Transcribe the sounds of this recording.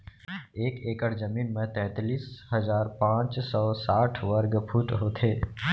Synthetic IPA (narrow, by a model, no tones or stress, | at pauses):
eːkeːkəɽd͡ʒəmiːnmẽt̪ɛ̃ːt̪liːsɦəzaːɾpãːt͡ʃsɔːsaːʈʰʋəɾɡpʰuːʈɦoːt̪ʰeː